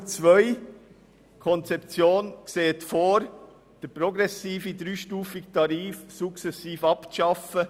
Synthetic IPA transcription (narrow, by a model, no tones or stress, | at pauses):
t͡svœʏ | kʰɔnt͡sɛpt͡sjoːnkseːətfoːɾ | d̥əprɔɡɾɛsiːfidɾyːʃtuːfɪktʰɑɾiːfsuksɛsiːfɑpʃɑfə